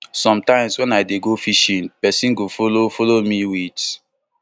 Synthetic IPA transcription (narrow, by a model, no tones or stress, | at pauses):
sɔ̃mtãɪ̃mswɛ̃naɪdeɡofiʃĩnpɛsĩnɡofolofɔlomiwit